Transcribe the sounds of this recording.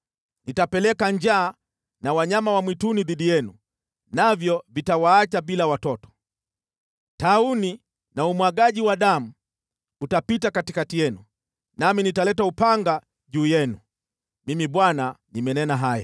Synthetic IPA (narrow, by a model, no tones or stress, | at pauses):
nitapɛlɛkaɲd͡ʒaː | nawaɲamawamwituniðiɗijɛnu | navjɔvitawaːt͡ʃaɓilawatɔtɔ̥ | tauni | naumwaɡaʄiwaɗamu | utapitakatikatijɛnu | naminitalɛtaupaŋɡa | ʄuːjɛnu | mimiɓwananimɛnɛnaɦaja̰